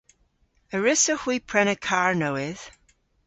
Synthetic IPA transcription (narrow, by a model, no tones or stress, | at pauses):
əɹɪsəhwipʰɹ̥ɛnəkʰaɹnowɪð̥